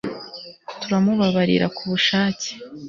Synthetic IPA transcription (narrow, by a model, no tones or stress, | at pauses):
tuɾamuβaβaɾḭɾa̰kuβuʃaːci̥